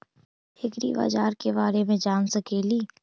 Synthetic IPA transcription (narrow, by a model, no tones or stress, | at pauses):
hɪkɾḭba̰ːd͡ʒaːɾkebaːɾemẽd͡ʒaːnsɐkeːliː